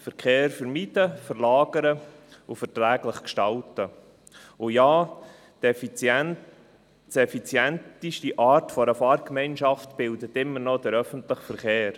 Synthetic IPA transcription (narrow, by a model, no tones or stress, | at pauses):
fəɾkʰeːɾfəɾmid̥əfəɾlɑːɡ̥əɾəʊfəɾtɾæːɡləχkʃtɑltə | ʊjaː | df | sɛfit͡sjɛntiʃtiʔɑːɾtfɔɾəfɑːɾkmɛɪnʃɑftb̥ɪldət̪ɪmːənɔd̥əɾœfəntləχfəɾχeːɾ